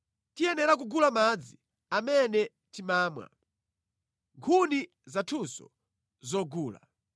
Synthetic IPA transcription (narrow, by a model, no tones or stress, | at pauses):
tijɛnɛɾak̬uɡulamad͡zi | amɛnɛ | timaːmwa̰ | ŋkʰuni | zatʰusɔ̰ | zɔɡuːla̰